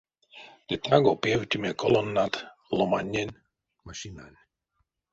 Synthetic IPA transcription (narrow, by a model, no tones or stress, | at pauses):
d̪̥et̪aɡopjewt̪ʲimʲekʰolonːat̪lˠomanʲːenʲ | maʃinanʲ